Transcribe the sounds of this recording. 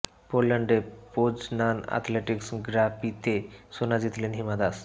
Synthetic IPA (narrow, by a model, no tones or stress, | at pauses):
polaɳɖepod͡ʑnana̰t̪ʰleʈiksɡɾapit̪esonad͡ʑit̪lenɦimad̪as